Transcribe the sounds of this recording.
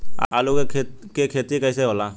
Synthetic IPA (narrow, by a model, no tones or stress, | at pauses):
a̰a̰ːlokekʰːkekʰeːt̪ikɐiseɦoːlaː